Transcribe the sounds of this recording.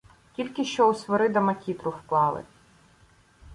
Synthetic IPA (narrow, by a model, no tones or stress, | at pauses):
kʲilʲkɪʃt͡ʃɔusʋɔɾɪd̪ɐmɐkʲit̪ɾʊfklˠɑlˠɪ̰